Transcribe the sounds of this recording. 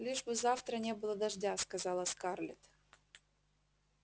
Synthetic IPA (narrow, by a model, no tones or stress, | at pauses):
lʲiʐbɨzaft̪ɾənʲebɨlˠəd̪ɐʐdʲaskɐzɑlˠɐskɑrlʲɪ̰t̪